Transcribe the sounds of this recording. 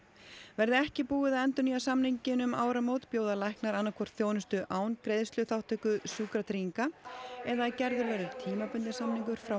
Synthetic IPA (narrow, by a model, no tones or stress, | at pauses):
vɛɾðɪɛhcɪpuːɪðaðɛnt̪ʏnijasamniɲcɪnʏmaːwɾamoːwt̪pjoːwðalajhknaɾanːakʰvɔr̥t̪θjoːwnʏst̪ʏʔaːwnkɾejðst̪lʏθawht̪ʰœkʏsyːkɾat̪ʰɾiiŋkaɛðacɛɾðʏɾvɛːɾðʏɾt̪ʰiːmapʏnt̪ɪsamniŋkʏɾ̥fɾa